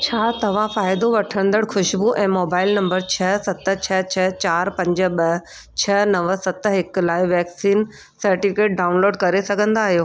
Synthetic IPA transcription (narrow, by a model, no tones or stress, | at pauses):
t͡ɕʰaːt̪ɐʋ̤ãfaːɪd̪oʋɐʈʰəɾ̃ə̃nd̪əɽxʊʃbuʔɛ̃ːmoːbaːɪlnɐ̃mbəɾt͡ɕʰɐsɐt̪t͡ɕʰɐt͡ɕʰɐt͡ɕaːɾpɐ̃ɲd͡ʑʊ̆ɓɐ | t͡ɕʰɐnɐʋsɐt̪ɦɪklaːɪʋɛːksiːn | sɐɾʈifɪkeːʈ̚ɖaːʊnloːɖkɐɾesɐɡʱə̃nd̪aːɦijoː